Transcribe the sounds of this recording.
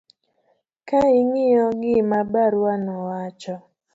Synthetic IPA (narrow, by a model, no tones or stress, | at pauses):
kaɪŋɪjɔɡɪmabaɾwanɔwat͡ʃɔ